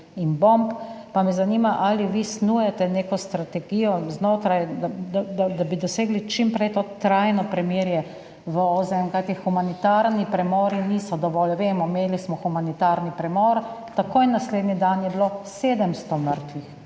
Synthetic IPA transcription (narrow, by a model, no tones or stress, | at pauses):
inbomppamɛzanimaʔaliʋisnujɛt̪ɛnekɔst̪ɾat̪ɛɡiːjɔznoːt̪ɾajd̪d̪ad̪ad̪abid̪ɔseːɡlit͡ʃimpɾɛjt̪oːt̪ɾajnɔpɾɛmiɾjɛ | ʋəozɛɛŋkajt̪ixumanit̪aɾnipɾɛmɔːɾinisɔd̪ɔʋɔlʋeːmɔmeːlismɔxumanit̪aɾnipɾɛmɔːɾt̪akojnːasleːd̪nid̪anjɛbloseːd̪əmst̪ɔməɾt̪ʋix